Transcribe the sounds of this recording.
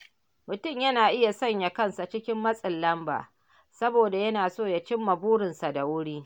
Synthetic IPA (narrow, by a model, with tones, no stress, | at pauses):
mʊ˨tʊ˦˨mjɐ˦naː˨ʔɪ˦ja˨sɐ˦˨ɲja˨kɐ˦˨nsa˨t͡ʃɪ˦kʲɪ˦mːɐ˦sʼɪ˨lːɐ˦mba̰ː˨ | sɐ˦boː˨da˨jɐ˦naː˨soː˦ja˨t͡ʃɪ˦mːɐ˨buː˦ɾɪ˨nsa˨da˨wʊ˦ɽiː˦